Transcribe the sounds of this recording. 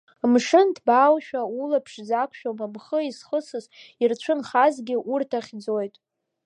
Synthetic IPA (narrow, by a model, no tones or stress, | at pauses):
mʂɨndʰbaːwʃᶣaulapʰʂzakʷʰʃᶣomamχəisχəsɨzirt͡ɕʷʰɨnχazɡʲɪʔurtʰaχʲd͡zo̞jtʼ